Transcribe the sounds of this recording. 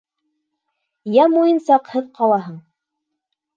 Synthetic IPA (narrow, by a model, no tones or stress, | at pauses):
jæmujɤnsɑqhɤðqʰɑlˠɑɦɤɴ